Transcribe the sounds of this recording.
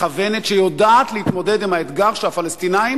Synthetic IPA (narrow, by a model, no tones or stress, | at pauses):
avenetʃejo̞daːt̪lehit̪mo̞de̞dimhaet̪ɡaʁʃeafalest̪inaim